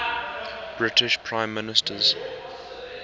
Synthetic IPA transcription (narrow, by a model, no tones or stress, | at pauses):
b̥ɹɪtɪʃpʰɹãɪ̃mːɪnɪstʰəz̥